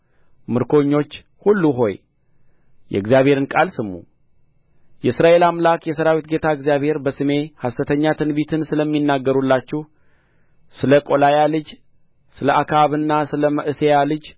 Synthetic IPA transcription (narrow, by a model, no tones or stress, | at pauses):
mɨɾkʰo̞ɲːo̞t͡ʃː | hulːuɦo̞̰j | jɛ̰ɨɡzijaβhe̞ɾɨnkʼalsɨmːṵ | jɛɨsɾaʔe̞lamlakjɛsəɾawit̪ɡe̞t̪ʰaɨɡzijaβhe̞ɾbəsɨme̞hasɨt̪ʰəɲːat̪ʰɨnbit̪ʰɨnsɨləmːinːaɡːəɾulːat͡ʃːɛh | sɨləkʼo̞lajalɨd͡ʒ | sɨləʔakʰaaβɨnːasɨləməʔɨsejalɨd͡ʒ